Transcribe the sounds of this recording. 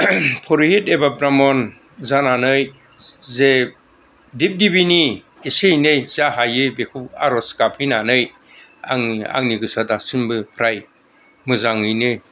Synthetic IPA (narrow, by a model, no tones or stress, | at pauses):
pʰɔɾiɦetebapɾamɔn | zananɯj | ze | dip̚dibini | isejnɯjz̥aɦajɯjbekʰua̰ɾɔskapʰɯjnanɯj | a̰ŋia̰ŋniɡɯsadasimbɯpʰɾaj | mɯzaŋɯjnɯj